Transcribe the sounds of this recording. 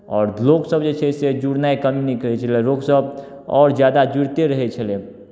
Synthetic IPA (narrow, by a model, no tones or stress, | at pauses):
ɔːɾloɡsəbd͡ʒet͡ʃʰɛsed͡ʒuɽnaekəminikɾəɦɛt͡ʃʰəleɾoːɡsəb | ɔːɾd͡ʒjad̪ad͡ʒuɾt̪eɾəɦɛt͡ʃʰəle